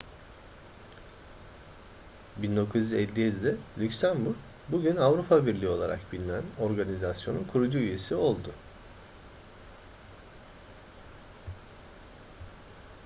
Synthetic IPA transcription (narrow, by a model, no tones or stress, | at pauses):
bind̪o̞kʰuzyzɛlʲːijed̪ɛd̪ɛlʲycsæmbuɾ | buɟynavɾupʰabiɾlʲio̞lˠaɾa̰kbilʲinæno̞ɾɡanizasjo̞nunkʰuɾud͡ʒuyje̞sio̞lˠd̪ʊ